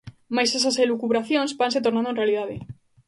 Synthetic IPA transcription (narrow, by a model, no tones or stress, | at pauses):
majses̬ɐselukuβɾaθjõnsbans̬et̪oɾnanoẽnrealiðaðe